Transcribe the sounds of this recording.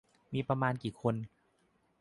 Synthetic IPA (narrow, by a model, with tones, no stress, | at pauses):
miː˧pɾa˧maː˧nkiː˨˩kʰo˧n